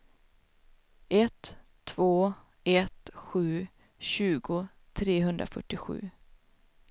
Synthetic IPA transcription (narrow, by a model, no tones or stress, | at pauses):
ʔɛt̪ʰː | v̥oː | ʔɛt̪ɧʉ̟ː | ɕʉ̟ːɡʊ | t̪ʰɾeːɦɵnd̪ɾa̰fœ̰ʈːɪɧʉ̟̰ː